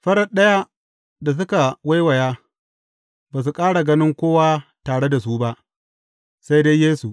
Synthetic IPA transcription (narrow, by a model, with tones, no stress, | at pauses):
ɸɐ˦ɽɐ˦˨ɗɐ˦ja˦ | da˨s̬ʊ˦ka˨wa˦jwɐ˨jaː˦ | baː˨s̬u˨kʼaː˦ɽa˨ɡɐ˦nɪ˦ŋkʷoː˦waː˦taː˨ɽe˦da˨s̬u˦ba˦ʔ | sa˦jde˦jjeː˦su˨ʔ